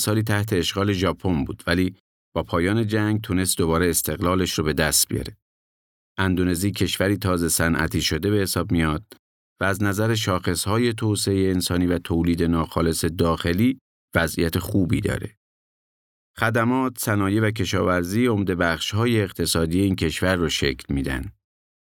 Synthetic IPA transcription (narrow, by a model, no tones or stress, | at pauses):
sɒːliːt̪ʰæht̪ʰe̞ːʃɣɒːle̞ʒɒːpʰo̞nbuːd̪̥væliː | b̥ɒːpʰɒːjɒːne̞d͡ʒæŋɡ̚t̪ʰune̞st̪d̪o̞bɒːɾeːst̪ʰe̞ɣlɒːleʃɾɔbe̞d̪æst̪̚b̥ijɒ̰ɾe | ʔænd̪one̞ziːcʰe̞ʃvæɾiːt̪ʰɒːze̞sænʔæ̰t̪ʰiːʃo̞d̪e̞be̞he̞sɒːb̚mijɒːd̪̥̚ | væːznæzæɾeʃ̬ɒːxe̞shɒːje̞t̪ʰoseejeːnsɒːniːvæt̪ʰoːliːd̪e̞nɒːxɒːle̞se̞d̪ɒːxe̞liː | væzʔḭjæt̪ʰe̞xuːbḭd̪ɒ̰ːɾe̞̰ | xæd̪æmɒːt̪ʰsænɒːjevæk̬ʰe̞ʃɒ̰ːvæɾziːo̞md̪e̞bæχʃhɒːjeːqt̪ʰe̞sɒːd̪iːje̞iːncʰe̞ʃvæɾːɔʃe̞̰kʰlmiːd̪æ̰nd̪̥